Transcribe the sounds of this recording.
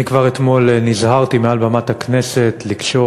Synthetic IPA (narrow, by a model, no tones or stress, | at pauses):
ikvaʁet̪mo̞lnizhaʁt̪imealbamat̪aknese̞t̪likʃo̞